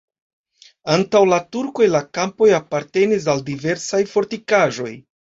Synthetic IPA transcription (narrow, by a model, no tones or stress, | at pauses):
antawlatuɾko̞jlakampo̞japaɾte̞nis̬aldive̞ɾsajfo̞ɾtikaʒo̞j